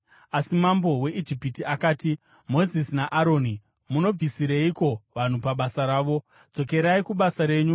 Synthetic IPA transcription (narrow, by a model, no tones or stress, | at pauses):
asimambo̞we̞ʔid͡ʒipitiakaːti | mo̞zisnaʔaɾo̞ːni | muno̞b͡vʱisiɾeiko̞ʋan̤upaɓasaɾaːʋo̞ | d͡zo̞ke̞ɾaikuɓasaɾe̞ːɲu